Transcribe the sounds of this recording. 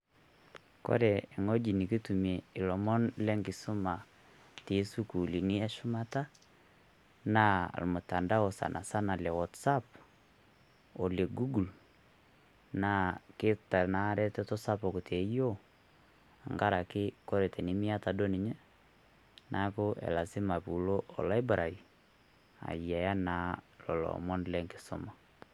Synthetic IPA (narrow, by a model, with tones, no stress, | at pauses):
kɔ̰˦ɾɛː˨ŋo˦d͡ʒi˨ni˨ki˦tu˨mie˨i˨lɔ˨mɔ˦nlɛ˦ŋɡi˨su˦ma˨ | ti˨˦su˦ku˨li˨ni˦a˦ʃu˦ma˦ta˦ | na˦a̰˨lmʊ˨ta˨nda˦o˨sa̰˨nʔa̰˨sa˦na˨lɛ˨wɔ˨tsa˦p | o˨le˨ɡu˦ɡu˨l | na˦ke˦ta˨na˨˦ɾɛ˦tɛ˦tɔ˦sa˦pɔ˨ku˨tʰɛ˨˦o˦ | a˨ŋɡa˦ɾa˨kɪ˦kɔ˦ɾɛ˨tɛ˨ni˦mi˦a˦ta˨do˦ni˨ɲɛ˦ | nʔa˦ko˦ʔɛ̰˨la˨si˦ma˨pu˨lo˦ʔɔ̰˨la˦i˦bɾa˨i˨ | a̰˨i˨a˨ja˦na˨lɔ˨lɔ̰˨mɔ˦nlɛ˦ŋke˨sɔ˨ma˨